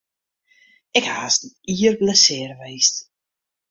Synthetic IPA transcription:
ɪkhaːsd̩iərbləsɪːrəʋejst

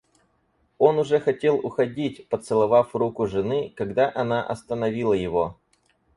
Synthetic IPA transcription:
o̞nʊʐɛxɐtʲe̞lˠʊxɐdʲitʲpət̪sɨlˠɐvafrukʊʐɨnɨkɐɡd̪aʔɐnaʔɐ̰st̪ənɐvʲilˠəjɪvo

